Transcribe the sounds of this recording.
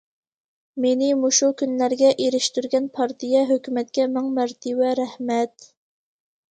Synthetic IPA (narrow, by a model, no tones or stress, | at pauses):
menɪmuʃukʲʰynlæɾɡʲɛʔeɾɪʃt̪yɾɡʲɛnpʰɑɾt̪ʰijɛɦøkʲymɛt̪̚kʲʰɛmɛŋmæɾt̪ʰɪwɛɾæhmɛt̪